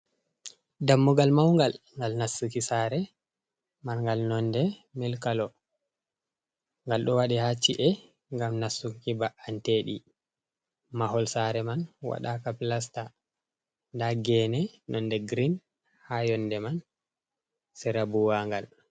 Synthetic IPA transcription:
damːuɡalmawŋɡalŋɡalnasːukisaɾɛ | manŋɡalnɔndɛmɛlkalɔ | ŋɡalɗɔwaɗɛhat͡ʃːiʔɛ | ŋɡamnasukibaʔanteɗi | maɦɔlsaɾɛmanwa̰ɗakaplas̬ta | ndaɡɛnɛnɔndɛɡɾin | hajɔndɛman | sɛɾabuwaŋɡal

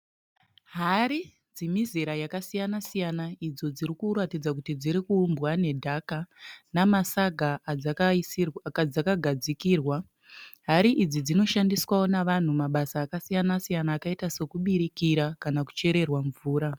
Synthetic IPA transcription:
ɦaɾi | d͡zimiziɾajakasijanasijanaid͡zo̞d͡ziɾikuɾatid͡zak̬utid͡ziɾikuːmbwane̞dʱakanamasaɡʱa | ad͡zakaɡʱad͡zikiːrwa | ɦaɾiʔid͡zid͡zino̞ʃandiswawonaʋan̤umaɓasaːkasijanasijanaːkaitase̞kuɓiɾikiɾakanaku̥t͡ʃe̞ɾe̞rwaɱvuːɾa

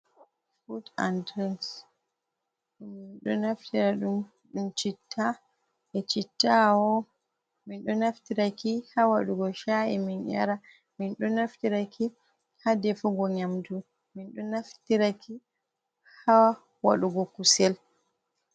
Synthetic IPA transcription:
futa̰ndɾɛns | ɗumːinɗɔnaftiɾaɗum | ɗumt͡ʃitʰːa | ʔɛt͡ʃitːawɔ | minɗɔnaftiɾakihawaɗuɡɔʃaɛ̰minʔa̰ɾa | minɗɔnaftiɾakʰi | hadɛfuɡɔɲamdu | minɗɔnaftiɾaki | ha | wa̰ɗuɡɔkusɛl

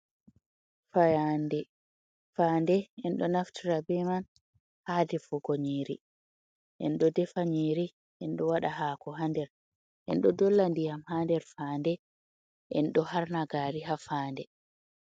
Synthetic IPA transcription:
fajandɛ | faːndɛʔɛnɗɔnaftʰiɾabɛman | haːdɛfɔɡoɲiːɾi | ʔɛnɗɔdɛfaɲiːɾi | ʔɛnɗɔwaɗaɦaːkɔɦandɛɾ | ʔɛnɗɔdɔlːandijamhandɛɾfandɛ | ʔɛ̰nɗɔhaɾnaɡaːɾiɦafaːndɛ

